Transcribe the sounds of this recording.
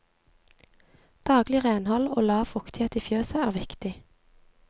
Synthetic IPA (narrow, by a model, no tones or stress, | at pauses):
d̪̥ɑːɡlɪʁeːnhɔlo̰ːlɑːʋfʊkt̪ɪheːt̪iːfjøːsəæːʁʋɪkt̪ɪ